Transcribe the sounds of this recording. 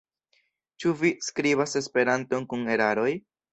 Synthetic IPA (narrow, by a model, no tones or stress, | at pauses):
t͡ʃuviskɾiβase̞spe̞ɾanto̞nkune̞ɾaɾo̞j